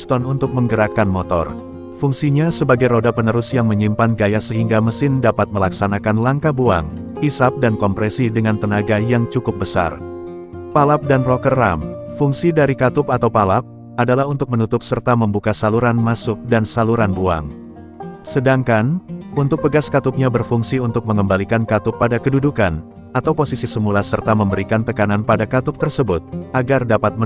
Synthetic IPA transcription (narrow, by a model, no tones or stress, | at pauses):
st̪ɔnunt̪ʊk̚məŋɡəɾakanmɔt̪ɔ̰r | fuŋsiɲasəbaɡajɾodapənəɾʊsjaŋməɲimpanɡajasəɦiŋɡaməsɪndapat̪̚məlaksanakanlaŋkabua̰ŋ | isap̚dankɔmpɾɛsidəŋant̪ənaɡajaŋt͡ʃukʊp̚bəsa̰r | palap̚danrɔkərːa̰mfuŋsidaɾikat̪ʊpat̪awpalap̚ | adalahunt̪ʊk̚mənut̪ʊp̚sərt̪aməmbukasaluɾanmasʊk̚dansaluɾanbua̰ŋ | sədaŋkanunt̪ʊk̚pəɡaskat̪ʊp̚ɲabərfuŋsiunt̪ʊk̚məŋəmbalikankat̪ʊpːadakədudukan | at̪awposisisəmulasərt̪aməmbəɾikant̪əkananpadakat̪ʊp̚t̪ərsəbʊt̪̚ʔaɡardapat̪̚mə